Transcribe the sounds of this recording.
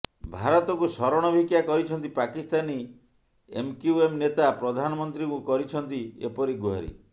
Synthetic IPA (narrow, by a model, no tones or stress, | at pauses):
bʱaɾɔt̪ɔkusɔɾɔɽ̃ɔbʱikjakɔɾit͡ʃʰɔnt̪ipakist̪ani | ḛmkiuemnet̪apɾɔd̪ʱanɔmɔnt̪ɾikukɔɾit͡ʃʰɔnt̪iḛpɔɾiɡuɦa̰ɾḭ